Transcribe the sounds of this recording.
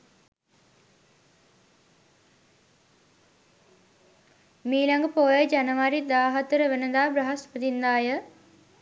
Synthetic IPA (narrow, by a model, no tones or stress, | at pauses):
miːlaŋɡəpoːjəd͡ʒanəʋaɾid̪aːɦat̪əɾəʋənəd̪aːbɾɐɦaspəd̪ind̪aːjə